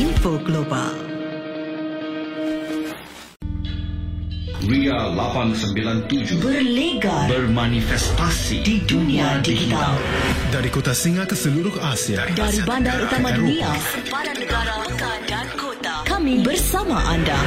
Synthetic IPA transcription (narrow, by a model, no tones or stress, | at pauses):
infoɡloba̰l | wialapansəmbilant̪ud͡ʒʊbərleɡabərmanifɛst̪asḭdidunĩadiɡit̪at̪aldaɾikot̪asiŋakəsəluɾʊhasiadaɾibandaɾut̪amadunia | ɡaɾ | kamibərsamaʔanda̰